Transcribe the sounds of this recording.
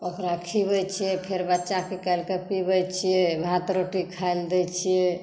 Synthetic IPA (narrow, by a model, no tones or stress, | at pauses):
okɾakʰibəjt͡ʃʰijɛpʰeɾbat͡ʃakʰikalkepibəjt͡ʃʰijɛbʱat̪ɾoʈikʰajld̪ɛt͡ʃʰijɛ